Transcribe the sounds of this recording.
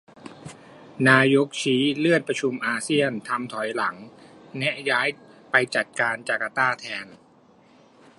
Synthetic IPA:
naː˧jo˦˥k̚t͡ɕʰiː˦˥lɯ˥˩ət̪̚pɾa˧t͡ɕʰu˧mʔaː˧si˥˩ənt̪ʰa˧mt̪ʰɔ˩˦jla˩˦ŋnɛ˦˥ʔjaː˦˥jpa˧jt͡ɕa˨˩t̪̚kaː˧nt͡ɕaː˨˩ka˧t̪aː˥˩t̪ʰɛː˧n

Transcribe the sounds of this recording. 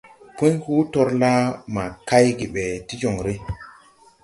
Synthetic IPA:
pu˦ɲhu˦to˦ɾla˦ma˨ka˦jɡi˨ɓe˨ti˦d͡ʒo˨ŋɾe˦

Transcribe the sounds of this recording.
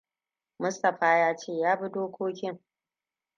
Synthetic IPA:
mʊ˦stɐ˨ɸaː˦jaː˦t͡ʃeː˦˨jaː˦bi˦doː˦kʷʰoː˦kʲɪ˦ŋ

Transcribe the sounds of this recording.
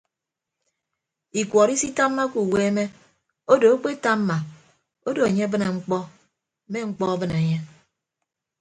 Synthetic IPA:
i˨kʷɔ˨ɾi˦si˦ta˦mːa˦ku˨we˦me˦ | o˦do˨o˦k͡pe˦ta˦mː˦a˨ | o˦do˨e˨ɲe˦bɨ˦ne˨ŋ͡m̩˦k͡pɔ˦ | me˦ŋ͡m̩˦k͡pɔ˦a˦bɨ˦ne˨ɲe˦

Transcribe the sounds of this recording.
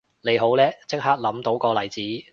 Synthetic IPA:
le˨˧jɦo˨˥wlɛː˥t͡sɪ˥k̚ɦaː˥k̚lɐ˨˥mt̪o˨˥wkɔː˧lɐ˨˩jt͡siː˨˥

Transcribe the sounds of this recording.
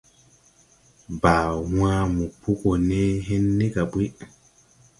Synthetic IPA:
baː˨wãː˦mu˨pu˦ko˨ne˦ɦe˦nːe˦ka˨bwi˦

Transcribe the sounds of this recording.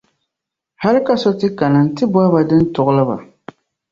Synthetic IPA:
ha˦lɪ˦ka˦sɔ˦tɨ˦ka˨nɨ˨n̩˦tɨ˦bɔ˦ba˨dɨ˦n̩˦tʊ˨ʔʊ˦lɨ˦ba̰˨

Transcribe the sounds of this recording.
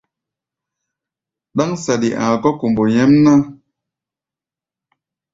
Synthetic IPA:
ɗa˦ŋsa˨ɗi˨ʔã̰˨kɔ˦ku˨mbo˨ɲɛ˦mna˦

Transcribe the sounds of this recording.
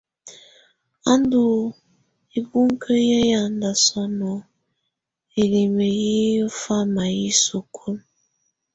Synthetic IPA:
a˦n˦du˨ | e˦bu˦ŋ̩˦kʰə˦je˦ja˨n̩˨˦da˨sɔ˦nɔ˨ | e˨ɾi˨me˨ji˦fa˦˨ma˨ji˦so˨kʰo˦m

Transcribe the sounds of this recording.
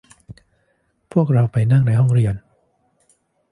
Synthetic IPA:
pʰu˥˩ək̚ɾa˧wpa˧jna˥˩ŋna˧jɦɔ˥˩ŋɾi˧ən

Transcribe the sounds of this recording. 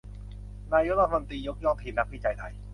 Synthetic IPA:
naː˧jo˦˥ɾa˦t̪ʰːmo˧nt̪ɾiː˧jo˦˥k̚jɔː˥˩ŋ̚t̪ʰi˧nna˦˥pʰiː˦˥˩t͡ɕa˧jt̪ʰa˧j

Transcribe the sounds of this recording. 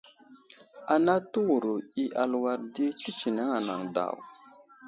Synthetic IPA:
a˨na˦tu˦wu˨ɾo˨i˦ʔa˨lwa˦ɾdi˦ti˦t͡ʃi˨ne˦ŋa˨na̰˨ŋda̰˨w

